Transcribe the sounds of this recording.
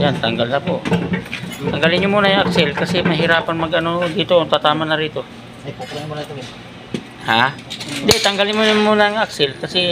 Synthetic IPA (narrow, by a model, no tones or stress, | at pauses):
jant̪ɐŋɡalnɐpoʔ | t̪ɐŋɡalɪnɲʊmuːnɐjʊŋʔaksɛlkɐsɛmɐɦɪɾaːpɐnmɐɡʔɐno̞d̪iːt̪ot̪at̪aːmanɐɾiːt̪o̞ | ha | nd̪ɛt̪ɐŋɡalɪnmomuːnaŋaksɪlkɐsɛ